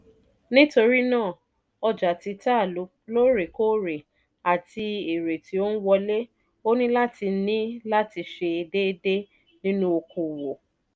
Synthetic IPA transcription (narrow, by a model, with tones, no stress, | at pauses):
nĩ˦to˧ɾi˦nãː˦˨ | ɔ˧d͡ʒa˨ti˧ta˦˨lu˨˦ | lo˦ɾe˨ko˦˨ɾe˨ | a˨ti˧e˨ɾe˨ti˨˦o˦n̩˦wɔ˧le˦ | o˦nĩ˦la˦ti˧˦nĩ˦la˦ti˧ʃe˧i˧de˦de˦ | nĩ˦nũ˦o˧kʰo˨wo˨